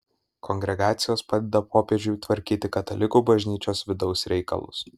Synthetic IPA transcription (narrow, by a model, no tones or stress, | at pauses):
kɔŋʲɡʲɾʲɛɡɑːt̪sʲɪjoːspɑːd̪ʲɛd̪ɐpoːpʲeɛd͡ʒʲʊjt̪ʋɐɾʲkʲiːt̪ʲɪkɐt̪ɐlʲɪkuːbɐʒʲnʲiːt͡ʃʲoːsʋʲɪd̪ɒʊsɾʲɛɪkɐ̰lˠʊ̰s